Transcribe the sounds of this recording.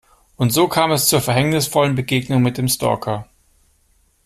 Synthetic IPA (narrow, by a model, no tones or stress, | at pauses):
ʔʊntz̥oːkʰaːmɛst͡suːɐfɛɐɦɛŋnɪsfɔlənbəɡeːɡnʊŋmɪt̚d̥eːmstɔ̰ɐkʰɐ